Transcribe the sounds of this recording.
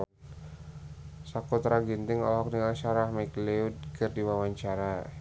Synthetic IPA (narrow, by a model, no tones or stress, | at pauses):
sakut̪ɾaɡint̪ɪŋɔlɦɔk̚dəŋaŋʃaɾahmakleud̚kɨrdiwawaɲt͡ʃaɾa